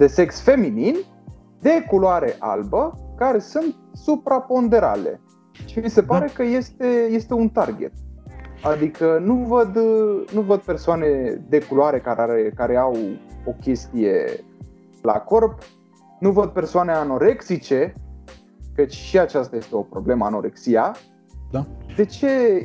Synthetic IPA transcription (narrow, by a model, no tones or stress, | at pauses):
d̪̥e̞se̞ksfe̞minin | d̪e̞kuloaɾe̞̰ʔa̰lbəkaɾe̞sunt̪̚supɾapo̞nd̪e̞ɾa̰le̞̰ | ʃimise̞paɾe̞kəje̞st̪e̞je̞st̪e̞unt̪arɡʲe̞̰t̪̚ad̪ikənuvəd̪nuvəd̪̚pe̞rsoane̞d̪e̞kuloaɾe̞kaɾeaɾekaɾe̞awo̞kʲe̞st̪ije̞̰ | la̰ko̞rp | nuvəd̪̚pe̞rsoane̞ano̞ɾe̞ksit͡ʃe̞ | kət͡ʃʲʃiat͡ʃast̪aje̞st̪e̞o̞pɾo̞ble̞məa̰no̞̰ɾḛksia | d̪ad̪e̞t͡ʃe̞